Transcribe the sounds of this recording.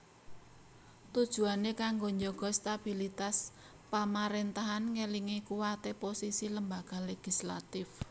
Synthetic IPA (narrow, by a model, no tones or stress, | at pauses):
t̪ud̥ʒ̥ṳanekaŋɡoɲd͡ʒoɡ̥ɔ̤st̪ab̥ilit̪as | pamaɾent̪aɦanŋeliŋikuwat̪eposisiləmbaɡ̥a̤leɡ̥isla̰t̪ɪf